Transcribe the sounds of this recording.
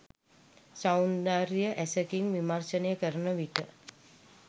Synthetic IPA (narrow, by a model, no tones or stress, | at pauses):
sawnd̪aːɾijəʔæsəkiŋʋimarʃənejəkəɾənəʋiʈə